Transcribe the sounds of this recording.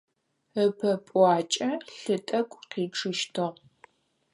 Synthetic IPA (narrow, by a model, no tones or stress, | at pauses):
əpʰɐpʼʷɑːt͡ʃʼɐɬɨtʼɐkʷʼqiːʈ͡ʂʰɨʃtʰɨʁ